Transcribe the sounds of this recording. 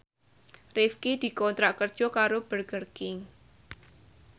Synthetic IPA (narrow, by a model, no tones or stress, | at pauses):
rɪfkid̪̥i̤kɔnt̪ɾaʔkərd̥ʒ̥ɔ̤kaɾob̥ərɡərkɪŋ